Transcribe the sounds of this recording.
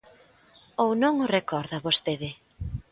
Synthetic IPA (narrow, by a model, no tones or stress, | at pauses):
ownõŋʊrekɔɾðɐβost̪eðɪ